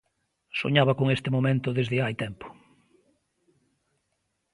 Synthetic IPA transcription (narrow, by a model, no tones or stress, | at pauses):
so̰ɲaβɐkoŋest̪ɪmomẽnt̪ʊðezðɪajt̪ɛmpo̥